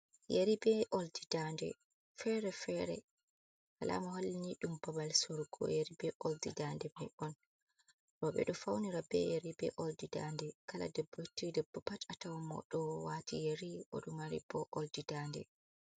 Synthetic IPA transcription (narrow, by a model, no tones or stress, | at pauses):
jeɾibɛʔoldidandɛ̰ | fɛɾɛfɛɾɛ̰ | kalʔa̰mɔholːiɲiɗumbabalsoɾɡɔ̰jeɾibɛʔoldidandɛbɛʔɔn | ɾɔɓɛ̰ɗɔfawniɾabɛ̰jeɾibɛ̰ʔɔldidandɛkala̰dɛbːɔhitːidɛbːɔpat͡ʃatawmɔ̰ɗɔwatʰijeɾiʔɔ̰ɗumaɾḭbɔʔoldidandɛ̰